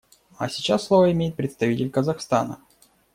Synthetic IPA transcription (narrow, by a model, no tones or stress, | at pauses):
ɐ̰sʲɪt͡ɕasːlˠovəɪmʲejɪt̪̚pɾʲɪt̪st̪ɐvʲitʲɪlʲkəzɐxst̪anə̰